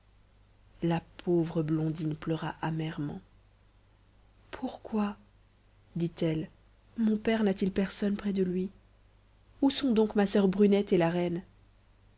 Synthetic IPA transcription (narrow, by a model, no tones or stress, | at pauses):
lapʰovʁəblɔ̃d̪inplœʁaʔamɛʁmɑ̰̃ | pʰuʁkwa | d̪it̪ɛl | mɔ̃pɛʁnat̪ilpɛʁsɔnpχɛd̪əlɥi | usɔ̃d̪ɔ̃kmasœʁbʁynɛt̪elaʁɛn